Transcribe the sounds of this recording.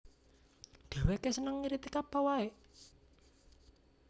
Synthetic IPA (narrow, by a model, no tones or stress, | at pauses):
d̪̥ɛ̤wekesənəŋːiɾit̪ikapawae